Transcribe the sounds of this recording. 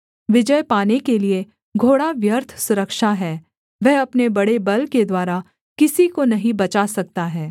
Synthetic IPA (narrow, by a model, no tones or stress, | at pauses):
ʋɪd͡ʒəjpaːnekelie | ɡʱoːɽaʋjəɾt̪ʰsʊɾəkʃaɦɛː | ʋɛɦɐpnebɐɽebɐlked̪waːɾa | kɪsikonɐɦĩbɐt͡ʃaːsɐk̚t̪aɦɛː